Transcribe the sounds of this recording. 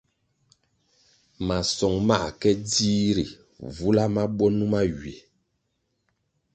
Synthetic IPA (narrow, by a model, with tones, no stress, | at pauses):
ma˨sɔ˨ŋma˦˨kɛ˦di˦ɾḭ˨ | vu˦la˦ma˦ɓɔ˦nu˦ma˦ɥɥe˨